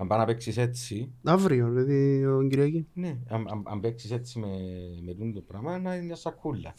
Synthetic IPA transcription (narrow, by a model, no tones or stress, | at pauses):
ɐmbɐnɐpeksiset͡siɐvɾiopeðioɲɟiɾiɐcineama̰mɐ̰mbeksiset͡sːimemet̪unut̪opɾamɐnɐɐsɐkʰːulːɐ̰